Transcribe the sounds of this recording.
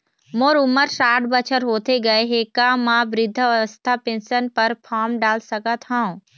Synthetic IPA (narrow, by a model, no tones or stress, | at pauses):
moːɾʊməɾʃaːɾɖbɐt͡ɕʰəɾɦoːt̪ʰeɡɐeɦeːkãmãbɾɪd̪ʱːəʋəst̪ʰapẽːnsənpɐɾpʰaːɾmɖaːlsɐɡʱət̪ʰãũ